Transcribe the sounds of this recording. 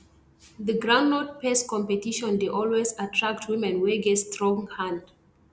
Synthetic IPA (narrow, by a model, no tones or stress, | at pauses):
ðəɡɹãʊ̃ndɔt̚pɛskɔ̃mpɛtiʃɔ̃ndeʔɔlˠwezatʰɹak̚tʰwĩmɛ̃nwɛɡɛtstɹɔ̃ŋhãnd